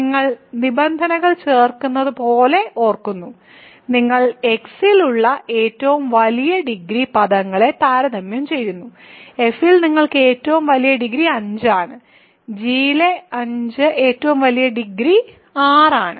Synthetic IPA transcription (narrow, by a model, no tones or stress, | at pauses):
iŋːɐɭnibɐnd̪ʱɐnɐɣɐɭt͡ɕe̞ːrkunːɐðɨpo̞ːle̞ʔo̞ːrkunːu | niŋːɐɭe̞ksiluɭːɐʔe̞ːtːɐʋumʋɐlijɐɖiɡɾipɐðɐŋːɐɭe̞t̪aːɾɐd̪ɐmjɐmt͡ɕe̞jːunːu | e̞filniŋːɐɭkɨe̞ːtːɐʋumʋɐlijɐɖiɡɾiɐɲd͡ʑɨaːɳɨ | d͡ʑiːleɐɲd͡ʑɨʔe̞ːtːɐʋumʋɐlijɐɖiɡɾi | aːraːɳɨ